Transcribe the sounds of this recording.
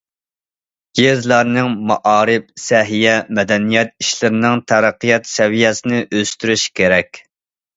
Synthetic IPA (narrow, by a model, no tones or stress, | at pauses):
ɡezlˠɑɾnɨŋmɑʔɑːɾɪp̚sɛɦijɛmɛd̪ɛnijɛt̪̚iʃlɪɾɪnɪŋt̪ʰæɾæqːɨjɑt̪sɛvijɛsɪnɪʔøst̪yɾyʃkʲeɾɛkʲ